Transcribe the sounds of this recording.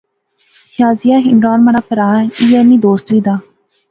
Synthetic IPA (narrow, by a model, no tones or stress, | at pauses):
sɪjaːzijaːɦɪmɾaːnmaɾaːpəɾaːijɛːniːd̪oːst̪ʋiːd̪aː